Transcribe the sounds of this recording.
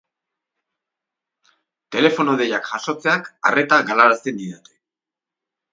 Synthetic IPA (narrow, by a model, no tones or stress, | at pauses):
t̪e̞le̞fo̞noðe̞jakʝaso̞t͡se̞aka̰re̞t̪aɣalaɾaseniðat̪e̥